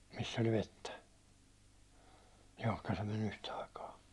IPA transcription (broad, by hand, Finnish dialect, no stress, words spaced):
misː olʲ ʋetːæ johkɑ se men yhtæ ɑikɑː